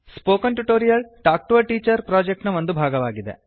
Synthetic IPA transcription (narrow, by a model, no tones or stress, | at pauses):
spoːkɐnʈuʈoːɾijɐlʈaːk̚ʈuʋɐʈiːt͡ʃɐɾpɾaːd͡ʒek̚ʈnɐʋond̪ubʱaːɡɐʋaːɡid̪ḛ